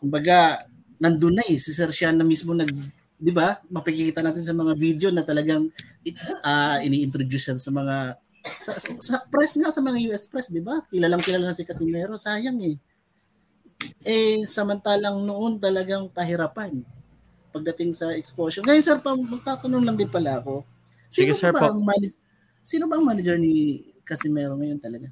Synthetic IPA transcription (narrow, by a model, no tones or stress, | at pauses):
kʊmbɐɡa | nɐnd̪ʊnajsɪsɛɾʃanɐmismo̞nɐɡ̚ | d̪ɪbamɐpɪkɪkiːt̪ɐnaːt̪ɪns̬ɐmɐŋavid̪jo̞nɐt̪ɐlɐɡaŋ | ʔɐʔɪniːʔɪnt̪ɾod̪usɛɾsɐmɐŋa | sɐsosɐpɾɛsŋasɐmɐŋajuːʔɛspɾɛsd̪ɪbakɪlalɐŋkɪlalanɐsɪkɐsɪmɛːɾo̞saːjaŋɛ | ʔɛsɐmɐnt̪aːlɐŋnoʔo̞nt̪ɐlɐɡaŋpɐɦɪɾaːpan | pɐɡ̚d̪ɐt̪ɪŋsɐʔɛkspoːsonŋɐjonsɛɾpɐmɐɡ̚t̪aːt̪ɐnonlɐŋd̪ɪnpɐlaɐko̞ | siːnɡobaʔɐŋmanɐd͡ʒɛ | siːnobɐɐŋmaːnɐd͡ʒɛɹni | kɐsɪmɛːɾo̞ŋɐjo̞nt̪ɐlɐɡa